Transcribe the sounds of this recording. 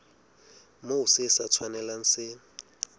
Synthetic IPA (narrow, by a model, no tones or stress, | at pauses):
mousɪsat͡sʰwanɛlan̩sɪ